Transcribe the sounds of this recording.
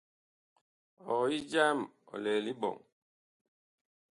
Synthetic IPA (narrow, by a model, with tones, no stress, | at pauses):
ɔ˨i˦d͡ʒa˦mɔ̰˨lɛ˨li˦bɔ̰˨ŋ